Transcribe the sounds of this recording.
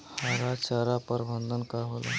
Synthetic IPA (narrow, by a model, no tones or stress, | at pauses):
haɾat͡ɕaɾapəɾbənd̪ʱənkaɾɦola̰